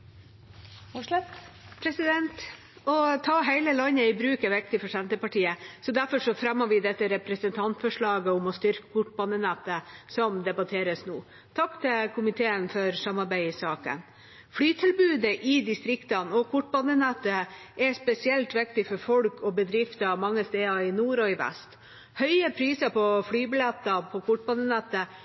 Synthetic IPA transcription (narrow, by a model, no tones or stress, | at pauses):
pʰɾɛsɪd̪ɛnt̪ | ɔt̪ʰɑːɦæɪləlɑɲːəɪbɾʉːkəʋɛkt̪ɪfɔʂɛnt̪əpɑʈiːəsɔd̪æɾfɔʂɔfɾɛmːəʋɪd̪ɛt̪ːəɾɛpɾɛsənt̪ʰɑnt̪fɔʂɭɑːɡəʊmɔst̪ʏɾkə̥kʰʊʈːbɑnːənæt̪ːəsɔmd̪ɛbɑt̪ʰeːɾəsnuː | t̪ʰɑkːt̪ʰɪlkʰʊmɪt̪ʰeːənfɔɾsɑmːɑɾbæɪsɑːkə̰n | flyːt̪ʰɪlbʉːd̪əʔɪd̪ɪst̪ɾɪkt̪ɑnɔkʰʊʈ̚ːbɑnːənæt̪ːə | ʔɛspɛsɪɛlt̪ʋɪkt̪ɪfɔɾfɔlkʰɔbəd̪ɾɪft̪əɑʋmɑŋːəst̪eːɑɪnuːɾɔɪʋæ̰st̪ | hœʏəpʰɾiːsəpʰɔflyːbɪlɛt̪ːɑpʰɔkʰʊʈ̚ːbɑnːənæt̪ːə